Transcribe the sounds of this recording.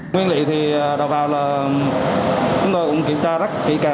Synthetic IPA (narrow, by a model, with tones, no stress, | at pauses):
ŋwi˧ənlḭ˧˨t̪ʰi˨˩˨ɗa˨˩w̚vaː˨˩wlaː˨˩ | t͡ɕʊ˨˦ŋ͡mt̪o˧jkʊ̰˧˥ŋ͡mki˧˩əmt͡ɕaː˧zə˦˥t̚kḭ˧˥kaː˨˩